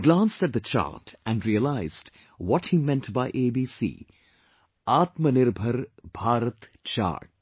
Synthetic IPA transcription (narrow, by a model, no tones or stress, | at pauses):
ɡlãːnstæt̚d̪ət͡ʃa̰ɾtæ̃nɖɾiəlaɪzd | wɔʈhiːmɛ̃ntbaɪʔeːbiːsḭː | aːt̪mənɪɾbʱəɾb̥ʱaːɾət̪t͡ʃa̰ːɾʈ